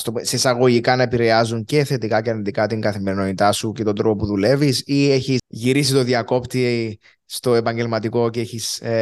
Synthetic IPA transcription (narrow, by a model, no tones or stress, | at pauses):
st̪osesɐɣo̞ʝikɐnɐe̞piɾe̞ɐzuɲce̞θe̞t̪ikɐceɐɾnind̪ikɐt̪iŋɡɐθime̞ɾino̞nit̪ɐsuce̞t̪o̞nd̪ɾo̞popuðule̞visie̞çiʝiɾis̬it̪o̞ðiɐko̞pt̪i | st̪o̞e̞pɐɲɟe̞lmɐt̪iko̞ceeçis